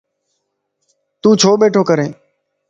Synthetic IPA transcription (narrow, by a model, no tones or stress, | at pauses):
t̪ũːt͡ʃʰoːɓeːʈʰoːkəɾẽː